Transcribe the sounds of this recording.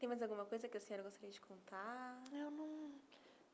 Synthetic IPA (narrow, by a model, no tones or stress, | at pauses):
t̪ẽj̃majzawɡũmɐkojzɐkɪɐsẽɲɔɾɐɡost̪aɾiɐd͡ʒɪkʰõnt̪aewnɐ̃w̃